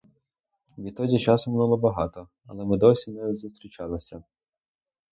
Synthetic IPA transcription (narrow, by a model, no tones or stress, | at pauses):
ʋʲit̪ɔdʲit͡ʃɑsʊmnˠulˠɔbɐɦɑt̪ɔ | ɐ̰lˠɛmɪd̪ɔsʲinɛzust̪ɾʲit͡ʃɑlˠesʲɐ